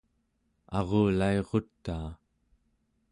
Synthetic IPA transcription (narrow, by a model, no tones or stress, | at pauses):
ɑʁoːlaeʁo̞t̪ːaː